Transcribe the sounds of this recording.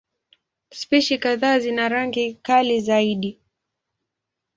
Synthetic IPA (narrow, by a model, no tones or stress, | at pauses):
spiʃikaðaːzinaɾaŋɡikalizaiɗi